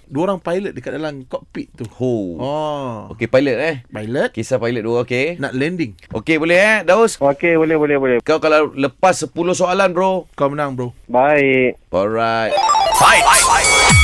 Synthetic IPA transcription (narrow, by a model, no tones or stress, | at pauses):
duəoɾaŋpajlət̪̚dəkat̪̚dalamkɔʔpiʔt̪uhoɔo̰kepajlət̪̚ahpajlət̪̚kisapajlət̪̚duaokenaʔlɛndiŋʔokebolɛɦədawsokebolɛhbolɛhbolɛkawkalaləpasːəpulʊsoalanbɾokawmənãŋbɾobaik̚ʔɔlɾajt̪̚bajbajbaj